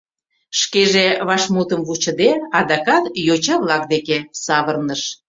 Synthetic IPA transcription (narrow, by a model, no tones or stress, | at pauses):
ʃkeʒeβɑʃmut̪əmvut͡ɕə̆d̪eɑd̪ɑkɑt̪jot͡ɕɑβlɑk̚d̪ekesɑβərnəʃ